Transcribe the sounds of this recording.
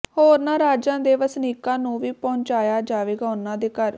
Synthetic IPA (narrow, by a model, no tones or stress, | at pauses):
hoːɾnãːɾaːd͡ʒãːd̪eːʋəsniːkãːnũːʋiːpɔʊ̃ɲt͡ʃaːjaːd͡ʒaːʋeːɡaːʊnãːd̪eːkəɾ